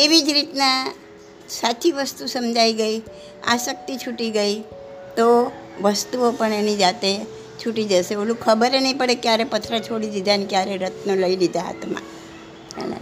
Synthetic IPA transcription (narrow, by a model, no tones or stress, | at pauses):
eʋid͡ʒɾit̪nã | sat͡ʃʰiʋəst̪usəmd͡ʒʱaiɡəi | a̰sək̚t̪it͡ʃʰuʈiɡəi | t̪o | ʋəst̪uopəɳenid͡ʒat̪e | t͡ʃʰuʈid͡ʒəʃeolũkʰəbəɾenəĩpəɽekjaɾepət̪ʰɾət͡ʃʰoɽilid̪ʱanekjaɾeɾət̪ʰnoləilid̪ʱaɦa̰t̪ʰmã̰ | ɦɛ̰lḛ